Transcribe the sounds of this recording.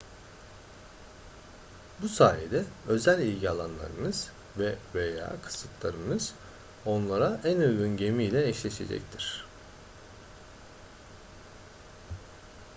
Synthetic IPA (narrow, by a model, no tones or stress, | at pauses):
busaːjed̪ɛø̞zælʲilʲɟialˠanlˠa̰ɾɯ̰nɯz̥ | vɛveja̰ːkʰɯ̥sɯt̪ʰlˠaɾɯnɯz̥ | o̞nlˠaɾaʔænøɡynɟe̞mijlʲɛːʃlʲeʃe̞̰d͡ʒɛ̰ct̪ʰiɾ̥